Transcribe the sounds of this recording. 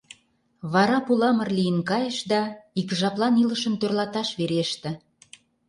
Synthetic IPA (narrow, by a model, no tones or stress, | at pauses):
βɑɾɑpulɑmə̆rlijənkɑjəʃd̪ɑikʒɑplˠɑniləʃə̆mt̪ørlɑt̪ɑʃβeɾeʃt̪ĕ